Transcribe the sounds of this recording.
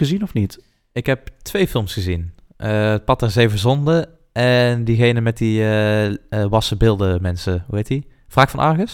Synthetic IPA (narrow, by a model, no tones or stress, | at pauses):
əzinɔfnit | ɪkɦɛp̚tʋejfɪlˠmsχəzin | ʔəət̚pɑtɛɹzejvəzɔndə | ɛndiɣejnəmɛt̚diə | ʋɑsəbɪlˠdəmɛnsəɦuɦejti | v̥raːkfɑnʔɑɹɣəs